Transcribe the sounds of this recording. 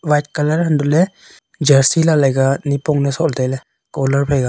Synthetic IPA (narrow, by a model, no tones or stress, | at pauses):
wajt̚kalaɾhandulɛ | d͡ʒəɾsilalajɡanipɔŋnɛsɔʔltajlɛ | kɔlaɾpʰajɡa